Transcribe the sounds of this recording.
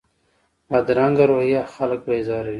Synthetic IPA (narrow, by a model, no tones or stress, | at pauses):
ad̪ɾaːŋɡɐɾoːhijaxɐlk̚beːzaːɾe